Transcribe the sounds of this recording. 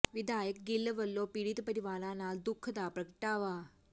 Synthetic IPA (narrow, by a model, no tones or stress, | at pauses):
ʋid̪ʱajək̚ɡilːʋəlːopiɽit̪pəɾiʋalanad̪ukʰːd̪apɾəkəʈaʋa